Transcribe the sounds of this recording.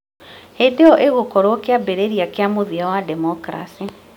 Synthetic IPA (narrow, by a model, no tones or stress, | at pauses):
hedeɔʔeɣokɔɾokeabeɾeɾiakeamoðiawadɛmɔkɾa̰si